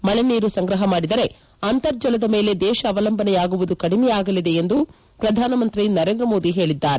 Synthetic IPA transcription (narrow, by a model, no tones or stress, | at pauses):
mɐɭeniːɾusɐŋɡɾɐɦɐmaːɽid̪ɐɾe̞ | ɐnt̪ɐɾd͡ʒɐlɐd̪ɐme̞ːle̞d̪ɛːʃɐːʋɐlɐmbɐnɛjaːɡuʋud̪ukɐɽimɛjaːɡɐlid̪e̞end̪u | pɾɐd̪ʱaːnɐmɐnt̪ɾinɐɾend̪ɾɐmoːd̪iɦe̞ːɭid̪ːaːɾe